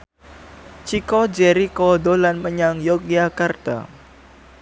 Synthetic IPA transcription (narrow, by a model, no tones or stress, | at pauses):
t͡ʃikɔd͡ʒɛɾikɔdolanməɲaŋjɔkiakart̪a̰